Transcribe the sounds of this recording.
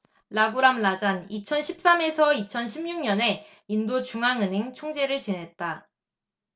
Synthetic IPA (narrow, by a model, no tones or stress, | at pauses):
laɡuɾamlad͡ʑanit͡ɕʰʌnɕʰip̚s͈ame̞sʰʌit͡ɕʰʌnɕʰimɲuŋɲʌne̞ | indot͡ɕuŋaŋɯniŋt͡ɕʰoŋd͡ʑe̞ɾɯɭt͡ɕinɦe̞t̚t͈a